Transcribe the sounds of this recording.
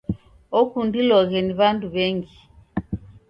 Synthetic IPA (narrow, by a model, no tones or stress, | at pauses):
ɔkundilɔɣɛniβanduβɛŋɡi